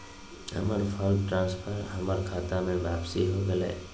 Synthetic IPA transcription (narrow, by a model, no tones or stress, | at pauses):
ə̰məɾpʰɔːlʈɾãːnspʰəɾɦɐməɾkʰaːt̪amẽʋjaːpsiɦoɡɐlḛː